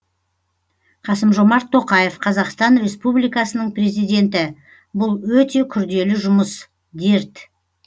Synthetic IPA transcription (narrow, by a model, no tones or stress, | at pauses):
qʰɑsəmʒo̞mɑɾt̪ʰːo̞qɑje̞fqʰɑzɑqst̪ɑnrʲe̞spublijkɑsənəɴpre̞zijd̪e̞nt̪ɪ | bʊlˠwɵt̪e̞kʲʰʏɾd̪e̞lɪʒʊməs | d̪e̞ɾt̪